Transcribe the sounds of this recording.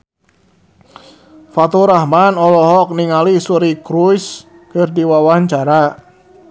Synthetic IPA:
fat̪uɾahmanɔlɔɦɔk̚niŋalisuɾikɾujs | kərdiwawaɲt͡ʃaɾa

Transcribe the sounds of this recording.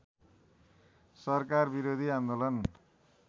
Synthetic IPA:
sʌrkarbiɾod̪ʱiãnd̪olʌn

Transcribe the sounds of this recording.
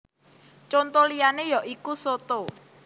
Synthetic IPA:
t͡ʃont̪olijanejɔʔikusot̪o

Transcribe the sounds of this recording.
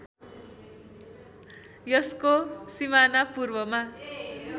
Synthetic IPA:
jʌskosimanapurbʌma

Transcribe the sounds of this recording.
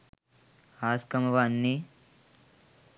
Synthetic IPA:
aːskɐmɐʋanːi

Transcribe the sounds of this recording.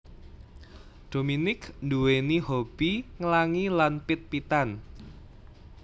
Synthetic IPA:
d̪̥ominɪknduwenihob̥iŋəlaŋilanpɪt̪̚pit̪an

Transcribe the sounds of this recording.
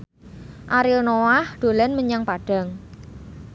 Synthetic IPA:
ʔaɾɪlnowahɖ̪̥o̤lanməɲaŋpaɖ̥a̤ŋ

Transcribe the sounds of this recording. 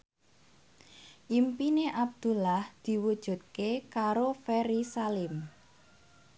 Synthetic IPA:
ʔimpineʔab̚d̪̥ṳlahd̪̥i̤wud̥ʒ̥ṳt̪̚kekaɾofɛɾisalɪm

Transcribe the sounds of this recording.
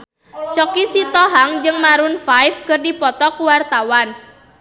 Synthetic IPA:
t͡ʃɔkisit̪ɔɦaŋd͡ʒɨŋmaɾʊnfajfkɨrdipɔt̪ɔkuwart̪awan

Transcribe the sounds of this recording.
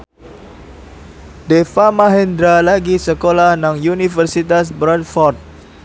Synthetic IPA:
defamaɦɛnd̪ɾalaɡisəkolahnaŋjunifərsit̪as̬bɾat̚fɔrt̪̚

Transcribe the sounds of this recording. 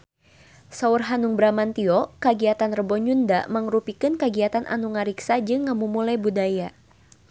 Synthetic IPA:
saurɦanuŋbɾamant̪iɔkəɡiat̪anrəbɔɲunda̰məŋɾupikɨnkəɡiat̪anʔa̰nuŋaɾiksad͡ʒɨŋːəmumulajbudaja

